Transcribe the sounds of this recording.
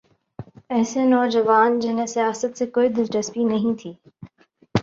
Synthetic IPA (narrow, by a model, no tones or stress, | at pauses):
ɛːsenɔːd͡ʑɐʋaːnd͡ʑɪnẽsijaːsət̪sekoːid̪ɪlʈɐspinɐɦĩt̪ʰiː